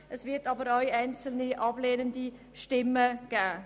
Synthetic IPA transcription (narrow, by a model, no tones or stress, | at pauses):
ʔɛsvɪtɑːbəɾaʏɛɪnt͡səlniʔɑbleːnəndi | ʃtɪmːəɡ̥æː